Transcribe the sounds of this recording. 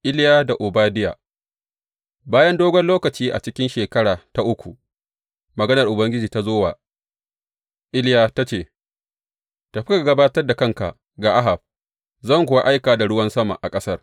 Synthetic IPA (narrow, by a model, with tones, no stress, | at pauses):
ʔɪ˦ljaː˦da˨ʔʊ˨baː˦dɪ˦ja̰ː˨ | baː˦jɐ˦ndoː˦ɡʷɔ˦nloː˦kɐ˨t͡ʃiː˦ʔa̰˨t͡ʃɪ˦kʲɪ˦nʃeː˨kɐ˦ɽaː˨ta˦ʔʊ˦kʷu˨ | mɐ˨ɡɐ˦nɐ˨rʔʊ˨bɐ˦ŋɡʲɪ˦d͡ʒiː˨ta˦zoː˦waː˨ | ʔɪ˦ljaː˨ta˦t͡ʃeː˨ | ta˨ɸɪ˦ka˨ɡɐ˦baː˦tɐ˦rda˨kɐ˦ŋka̰˨ʔ | ɡaː˨ʔa˦ɦa˨b̚ | zɐ˦˨ŋkʷʊ˨a˦ʔa˦jkaː˨da˨ɽʊ˦wɐ˦nsɐ˦ma̰˨ʔa˨kʼɐ˦sɐ˦r